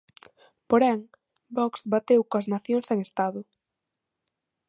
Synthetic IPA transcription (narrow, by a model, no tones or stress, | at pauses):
poɾɛŋ | bɔksbat̪ewkoɐsnaθjoŋseŋest̪aðʊ